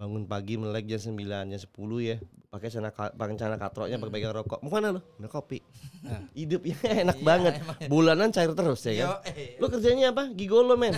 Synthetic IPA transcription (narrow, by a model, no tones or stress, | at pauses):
baŋʊnpaɡiməlak̚d͡ʒaŋs̬əmbiland͡ʒasə̥pulujapakɛsanakapaket͡ʃanakat̪ɾɔ̰ʔɲapakpaɡaŋɾɔkɔ̰ʔmukanalonakopiʔ | idʊp̚jaenak̚baŋət̪̚bulanant͡ʃaɪrt̪əɾʊsjakalokərd͡ʒaɲaːp̬aɡiɡoloman